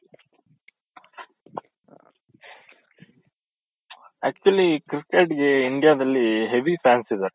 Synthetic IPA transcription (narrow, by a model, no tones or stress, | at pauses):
æːk̚t͡ʃuɐlikɾikeʈɡeiɳɖijaːd̪ɐlːiɦeʋipʰaːnsid̪ɐɾ